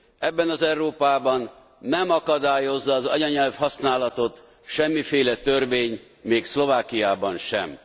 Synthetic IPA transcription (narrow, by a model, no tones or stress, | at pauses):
ɛbːɛnɒzɛwɾoːpaːbɒnː | ɛmɒkɒd̪aːjo̞zːɒːzɒ̰ɟɒɲɛlfhɒsnaːlɒt̪o̞t̪ | ʃɛmːifeːlɛt̪ørveːɲ | meːkslo̞vaːkijaːbɒnʃɛ̰m